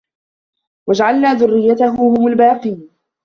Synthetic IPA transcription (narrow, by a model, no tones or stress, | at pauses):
wad͡ʒaʕalnaːðʊrːɪjːat̪aɦʊːhʊmʊlbaːqiːn